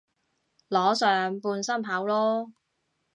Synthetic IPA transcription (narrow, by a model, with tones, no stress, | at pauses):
lɔː˨˥sœː˨ŋpuː˧nsɐ˥mpʰaː˨˥wlɔː˥